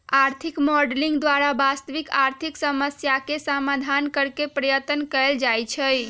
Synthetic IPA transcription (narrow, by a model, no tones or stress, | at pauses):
aɾt̪ʰikmɔɖlĩŋɡd̪ʋaɾabast̪əʋikaɾt̪ʰiksəməsjakesamad̪ʱankəɾkepɾəjət̪ənkəld͡ʒajt͡ʃʰəj